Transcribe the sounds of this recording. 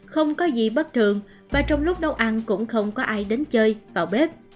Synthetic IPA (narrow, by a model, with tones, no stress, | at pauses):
xə˧wŋ͡mkɔ˨˦zi˨˩ɓə˦˥t̚t̪ʰɨ˨˩əŋ | vaː˨˩t͡ɕɔ˧wŋ͡mlʊ˦˥k͡p̚ɗə˦˥wʔa˧nkʊ̰˧˥ŋ͡mxə˧wŋ͡mkɔ˨˦ʔaː˧jɗe˨˦nt͡ɕəː˧jvaː˨˩wɓe˦˥p̚